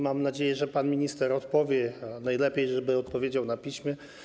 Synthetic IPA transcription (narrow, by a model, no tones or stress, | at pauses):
mamnad͡ʑejɛʐɛpanmʲiɲist̪ɛɾɔt̪pɔvʲjɛnajlɛpʲjejʐɛbɘɔt̪̚pɔvʲjed͡ʑawnapʲiɕmʲjɛ